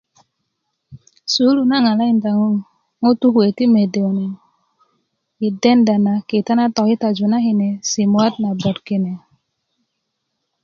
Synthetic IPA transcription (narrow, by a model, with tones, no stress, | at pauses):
su˨˦lu˨na˦ŋa˨la˦i˨nta˨ŋ˦ | ŋo˦tu˦kwe˨ti˦me˨de˨wne˨ | i˨de˦nda˨na˨ke˨ta˦na˦tɔ˨ki˦ta˨d͡ʒu˨na˦ɦi˨ne˨si˨mwa˦t̚na˨bɔ˨tke˨ne˨